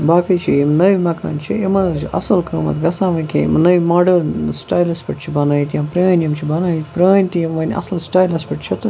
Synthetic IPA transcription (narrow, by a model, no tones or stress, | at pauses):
baːkɐjt͡ʃʰijimnɐʋimɐka̰ːnt͡ʃʰiimɐnt͡ʃʰiʔɐ̰sɐlkʰəːmɐ̰t̪ɡɐsaːʋɐnʲkʲḛḭmnɐʋimaːɖɐɾnsʈaːjlɐspʲeʈt͡ʃʰibɐnaːjit̪jãːpɾɐːnʲɐmt͡ʃʰibɐnaːjit̪pɾaːnʲt̪ijimʋɐnʲɐ̰sɐlsʈaːjlɐspʲiʈt͡ʃʰɐt̪